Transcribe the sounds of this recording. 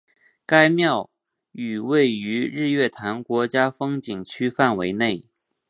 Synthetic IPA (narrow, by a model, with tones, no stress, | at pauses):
ka˥ɪmjɑ˥˩ʊ | y˨˩we˥˩ɪy˧˥ɻɻ̩˥˧ɥɛ˥˩t̪ʰa˧˥nkwɔ˧˥t͡ɕja˥fɤ˥ŋt͡ɕi˨˩ŋt͡ɕʰy˥fa˥˩nwe˧˥ɪne˥˩ɪ